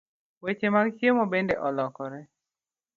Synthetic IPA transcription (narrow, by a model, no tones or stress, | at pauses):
wet͡ʃemaɡt͡ʃjemɔbendeʔɔlɔkɔɾɛ